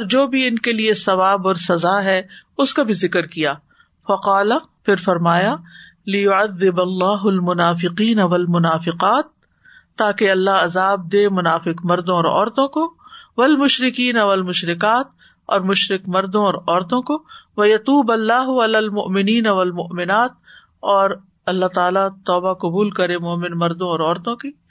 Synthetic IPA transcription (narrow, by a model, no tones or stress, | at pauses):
ɔːɾd͡ʒoːbʱiɪnkeliesɐʋaːbɔːɾsɐzaːɦɛʊskabʱizɪkəɾkijaː | fɐqaːlafɪɾfɐɾmaːja | lɪjʊɐðːɪbɐlːaːɦʊlmʊnaːfɪqiːnɐʋɐlmʊnaːfɪqaːt̪ː | aːkeɐlːaɦɐzaːb̚d̪eːmʊnaːfɪqmɐɾd̪õɔːɾɔ̰ːɾt̪õkoʋɐlmʊʃɾɪkiːnaʋɐlmʊʃɾɪkaːt̪̚ | ɔːɾmʊʃɾɪkmɐɾd̪õɔːɾɔːɾt̪õkoʋɐjɐt̪uːbɐlːaːɦʊɐlaːlmʊʔmɪniːnaʋɐlmʊʔmɪnaːt̪̚ | ɔːɾ | ɐlːaɦt̪aːlat̪ɔːbaqʊbuːlkɐɾemoːmɪnmɐɾd̪õɔːɾɔːɾt̪õki